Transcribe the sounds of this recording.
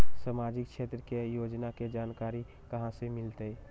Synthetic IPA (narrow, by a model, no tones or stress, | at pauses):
səmaːd͡ʒɪkʃeːt̪ɾəkejoːd͡ʒnaked͡ʒaːnkaːɾi | kɐɦãsemɪlt̪e